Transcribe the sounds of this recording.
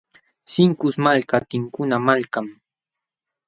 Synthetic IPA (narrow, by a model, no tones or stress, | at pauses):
sɪŋkʊsmalkat̪ɪŋkʊnamalkam